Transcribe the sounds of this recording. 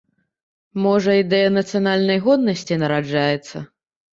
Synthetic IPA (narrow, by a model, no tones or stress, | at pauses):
mɔʐɐid̪ɛjɐnɐt̪sɨjanalʲnɐjɣɔd̪nɐsʲt͡sʲinɐɾad͡ʐajɛt̪sːɐ